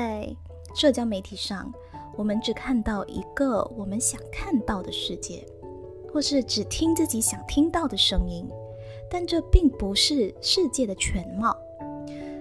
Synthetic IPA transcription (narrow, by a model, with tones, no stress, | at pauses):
t͡sa˥˧ɪ | ʂɤ˥˧t͡ɕjɑ˥ʊme˧˥ɪt̪ʰi˨˩ʂɑ˥˩ŋ | wɔ˨˩mə˦nʈ͡ʂɻ̩˨˩kʰa˥˧nt̪ɑ˥˩ʊʔḭ˧˥ɡ̥ə˨wɔ˨˩mə˦nɕjɑ˨˩ŋkʰa˥˧nt̪ɑ˥˩ʊd̪ə˩ʂɻ̩˥˧t͡ɕjɛ˥˩ | xwɔ˥˧ʂɻ̩˥˩ʈ͡ʂɻ̩˨˩t̪ʰi˥ŋt͡sɹ̩˥˩t͡ɕi˧˥ɕjɑ˨˩ŋt̪ʰi˥ŋt̪ɑ˥˩ʊd̪ə˩ʂɤ˥ŋi˥n | t̪a˥˧nʈ͡ʂɤ˥˧pi˥˩ŋpu˧˥ʂɻ̩˥˧ʂɻ̩˥˧t͡ɕjɛ˥˩d̪ə˩t͡ɕʰɥɛ˧˥nmɑ˥˩ʊ